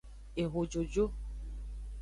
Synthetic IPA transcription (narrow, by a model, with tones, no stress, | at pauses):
e˨ɦo˨d͡ʒo˨d͡ʒo˦